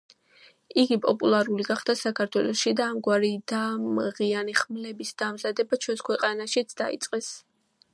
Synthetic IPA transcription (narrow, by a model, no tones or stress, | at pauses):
iɡipʼɔpʼulˠaɾuliɡaχd̪asakʰaɾt̪ʰwɛlˠɔʃid̪aːmɡwaɾid̪amʁianiχmlɛbisd̪amzad̪ɛbat͡ʃʰwɛnskʰwɛqʼanaʃit̪sʰd̪aḭt̪sʼqʼɛs